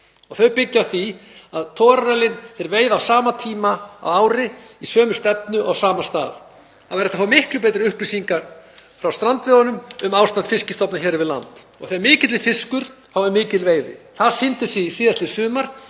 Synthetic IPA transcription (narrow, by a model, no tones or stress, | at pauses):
ɔɣθœɥpɪcːaθiaðt̪ʰɔːɾaɾɛlɪnθɛɾveːjðawsaːmat̪ʰiːmaa̰waːwɾɪisœːmʏst̪ɛp̚nʏʔawsaːmast̪a̰ːð | aðwɛɾɛht̪afawmɪhklʏpeːjt̪ɾɪʏhplɪsiŋkaɾfɾawst̪ɾant̪vɪðanʏmʏmaːwst̪ant̪fɪscɪst̪ɔpnaçɛːɾɪvɪðla̰nt̪ | ɔ̰ɣθeɾmɪːcɪt̪lɪfɪskʏɾ̥hawɛɾmɪːcɪt̪lveːjðɪ̰θaðsɪnt̪ɪsɛisiːðast̪ɪsʏːmaɾ̥